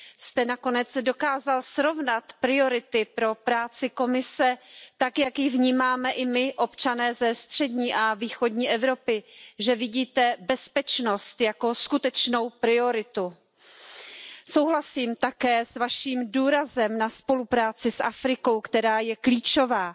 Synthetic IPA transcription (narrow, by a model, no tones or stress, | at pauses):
st̪ɛnako̞nɛt͡sdo̞kaːzalsɾo̞vnat̪pɾɪo̞ɾɪt̪ɪpɾo̞pɾaːt͡sɪko̞mɪsɛt̪akjakjɪvɲiːmaːmɛʔɪmɪʔo̞pt͡ʃanɛːzɛst̪r̝̥ɛdɲiːʔaviːxo̞dɲiːʔɛvɾo̞pɪʒɛvɪɟiːt̪ɛbɛspɛt͡ʃno̞st̪jako̞skut̪ɛt͡ʃno̞wpɾɪo̞ɾɪt̪u | so̞wɦlasiːmt̪akɛːsvaʃiːmduːɾazɛmnaspo̞lupɾaːt͡sɪsʔafɾɪko̞wkt̪ɛɾaːjɛkliːt͡ʃo̞vaː